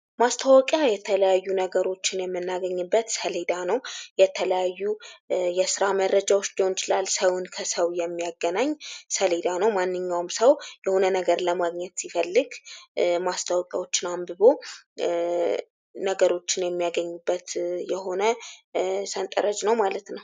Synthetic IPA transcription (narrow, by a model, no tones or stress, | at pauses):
mast̪ʰawɔkʼjajɛt̪ʰələjajːunəɡəɾo̞t͡ʃːɪnjɛmːɨnːaɡəɲːɨbːət̪səled̪anəwjɛt̪ʰələjajːujɛsɨɾaməɾːəd͡ʒawot͡ʃːd͡ʒont͡ʃʼɪlalsəwʊnkʰəsəwjɛmːijaɡːənaɲːsəled̪anəwmanːɨɲːawmsəwjɛho̞nənəɡəɾləmaɡɲɛt̪sifəlːɨɡmast̪ʰawkʼja̰wo̞t͡ʃːɪnambɨβo | nəɡəɾo̞t͡ʃːɪnjɛmːijaɡəɲːubːət̪jɛɦo̞nə | sənt̪ʼə̰ɾəd͡ʒnəwmalət̪nəw